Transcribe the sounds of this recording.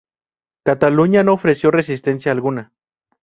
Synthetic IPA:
kat̪aluɲanoofɾesjo̞res̬ist̪ensjaːlɣuna

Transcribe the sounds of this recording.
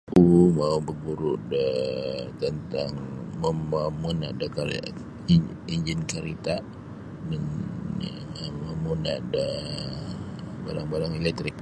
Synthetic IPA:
umaubəɡuɾuʔdət̪ənt̪aŋməəmunaʔdəka̰ | iɲd͡ʒinkaɾit̪a | mən | məmunadə | baɾaŋbaɾaŋɛlɛk̚t̪ɾɪk̚

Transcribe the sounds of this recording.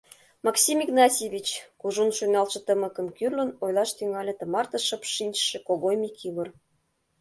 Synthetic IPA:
mɑksʲimiɣnɑtʲeβʲit͡ɕkuʒunʃujnɑlʃɤ̆t̪əmə̆kə̆mkyrlə̆nojlˠɑʃt̪yŋɑlʲĕt̪ə̆mɑrt̪ɤ̆ʃɤpʃinʲt͡ɕʃĕkoɣojmikʰiβə̆r

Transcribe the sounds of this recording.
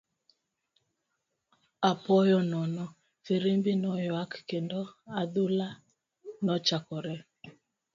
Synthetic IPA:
apɔjɔnɔnɔ | feɾembinɔjɔakkendɔaðula | nɔt͡ʃakɔɾɛ

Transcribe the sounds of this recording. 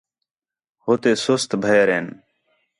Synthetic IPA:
ɦoːt̪eːsʊst̪bʱəeɾeːn

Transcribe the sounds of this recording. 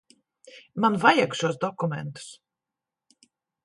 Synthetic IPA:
manvajakʃuɔsd̪ɔkumʲɛnt̪u̥s

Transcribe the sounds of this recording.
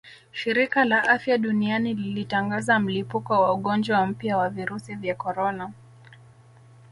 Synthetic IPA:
ʃiɾikalaʔafjaɗunianililitaŋɡazam̩lipukɔwauɠɔnd͡ʒwam̩pjawaviɾusivjakɔɾɔna

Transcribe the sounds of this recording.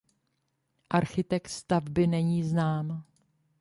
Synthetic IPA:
ʔaɾxɪt̪ɛkt̪st̪avbɪnɛɲiːznaːm

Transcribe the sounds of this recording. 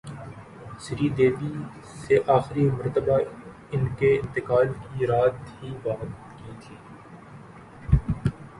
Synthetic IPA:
sɪɾiːd̪eːbi | seʔaːxɪɾimɐɾt̪əba | ɪnkeɪ̃nt̪ɪkaːlkiɾaːt̪ɦibaːɦət̪ | kiːt̪ʰiː

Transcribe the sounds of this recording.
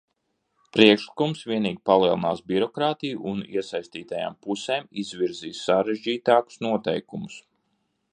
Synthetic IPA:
pɾiɛkʃlˠi̥kumsʋʲiɛniːɡʲipalˠiɛlˠina̰ːsbiɾɔkɾaːt̪ijuʔːniɛsajst̪iːt̪aja̰ːmpuseːmizʋiɾziːssaɾeʒd͡ʒiːt̪aːku̥snuɔt̪ɛ̰jkumʊs

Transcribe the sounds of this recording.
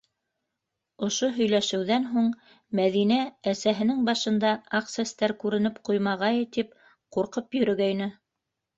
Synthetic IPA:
ŏʃoɦɵ̆jlæʃɘ̆wðænɦuɴ | mæðinææsæɦɘ̆nɘŋbɑʃɤ̆nd̪ɑɑqsest̪æɾkʉɾɘ̆nɘpqujmɑʁɑjɤt̪ip̚ | quɾqɤpjɵ̆ɾɵ̆ɡæjnɘ

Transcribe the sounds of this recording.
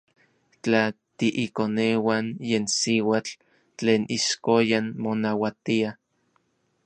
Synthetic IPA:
t͡ɬat̪iʔikonewanjeːnsiwat͡ɬ | t͡ɬeːnʔiʃkojanmonawat̪ia

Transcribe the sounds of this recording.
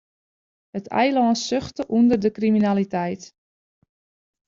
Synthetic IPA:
hətʰɛ̰jlɔːnsøxtəʔundərdəkriminalitɛjt

